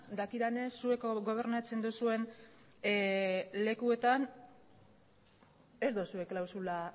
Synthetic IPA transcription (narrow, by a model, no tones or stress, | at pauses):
d̪akiɾane̞sue̞kɡo̞β̞e̞ɾnat͡se̞nd̪usue̞n | le̞kue̞t̪an | e̞zd̪usue̞klawsula